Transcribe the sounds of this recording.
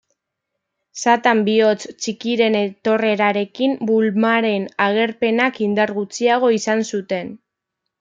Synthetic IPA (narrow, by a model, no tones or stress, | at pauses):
sat̪ambio̞t͡st͡ʃikiɾe̞ne̞t̪o̞re̞ɾaɾe̞kimbulmaɾe̞naɣe̞ɾpe̞nakind̪aɾɣut͡siaɣ̞o̞isansut̪e̞n